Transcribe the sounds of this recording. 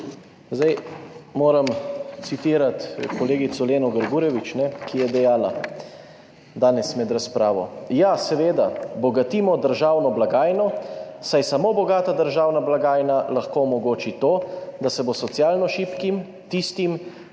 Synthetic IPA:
zd̪ajmoːɾamt̪sit̪iːɾat̪kɔleːɡit̪sɔleːnɔɡəɾɡuːɾɛʋit͡ʃnɛkijɛd̪ɛjaːla | d̪aːnɛsmɛd̪ɾaspɾaːʋɔjasɛʋeːd̪abɔɡat̪iːmɔd̪əɾʒaːwnɔblaɡaːjnɔsajsamoːbɔɡaːt̪ad̪əɾʒaːwnablaɡaːjnalaxkomɔɡoːt͡ʃit̪oːd̪asɛbosɔt̪sjaːlnɔʃiːpkim | t̪ist̪im

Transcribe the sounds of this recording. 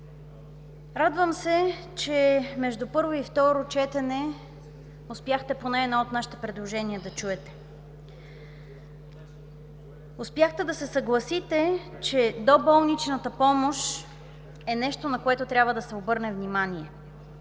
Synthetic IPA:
ɾad̪vəmsɛ | t͡ʃɛmɛʒd̪upɤɾvoift̪ɔɾot͡ʃɛt̪ɛnɛ | ʊspʲjaxt̪ɛponɛːd̪ɔot̪naʃi̥t̪ɛpɾɛd̪lˠoʒɛniəd̪ɐt͡ʃuɛt̪ɛ̥ | ʊspʲjaxt̪ɛd̪ɐsɛsɐɡlˠɐsit̪ɛ | t͡ʃɛd̪obɔlˠnit͡ʃnət̪əpɔmoʃ | ɛnɛʃt̪onɐkoɛt̪ot̪ɾʲabvəd̪ɐsɛobɤɾnɛvnimaniɛ

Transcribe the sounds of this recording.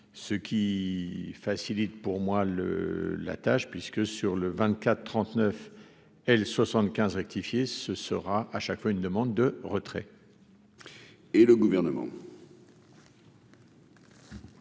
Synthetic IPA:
səkʲʰi | fasilit̪puʁmwalə̰la̰t̪aʃpɥiskəsyʁləvɛ̃t̪kʲat̪t̪ːχɑ̃t̪nœf | ɛlswasɑ̃t̪kʲɛ̃zʁɛk̚t̪ifjesəsəʁaʔaʃakfwaynd̪əmɑ̃d̪ːəʁət̪χɛ̰ | eləɡuvɛʁnəmɑ̰̃

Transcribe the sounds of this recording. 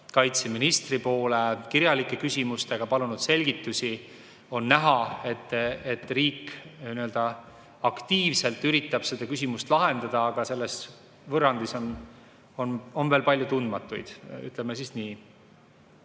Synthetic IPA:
kɑjt̪se̞minist̪ripo̞ːle̞kiɾjɑlikːˑe̞kysʲimust̪e̞ɡ̥ɑpɑlunud̪̥se̞lʲɡ̥it̪ːˑusʲi | o̞nːæɦɑe̞t̪ːˑet̪ːriːkniøld̪ɑ | ɑkt̪iːvse̞lt̪yɾit̪ˑːɑb̥se̞d̪̥ɑkysimust̪lɑɦe̞nd̪̥ɑd̪̥ɑːɡ̥ɑse̞lːe̞s | vɤrɑnd̪iso̞n | o̞no̞nveːlpɑlʲjut̪und̪̥mɑt̪ːˑujd̪̥y̰t̪ˑlemːesiːsniː

